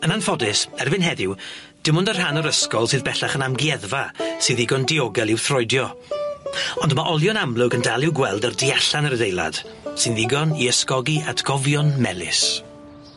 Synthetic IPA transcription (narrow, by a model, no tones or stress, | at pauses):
ənanfɔdɪsɛrvɨnɦɛðɪw | d̥ɪmʊndər̥ɦanɔɾəskɔlˠsɨːðbɛɬaχənamɡiɛðvasɨːðɪɡɔndiɔɡɛlˠɪwθrɔjdjɔ | ɔndəmaʔɔlˠjɔnamlˠʊɡəndalˠɪwɡwɛlˠdərdiaɬanəɾədejlˠa̰d̥ | sɨnðɪɡɔniəskɔɡiadɡ̥ɔvjɔnmɛlˠɪ̰s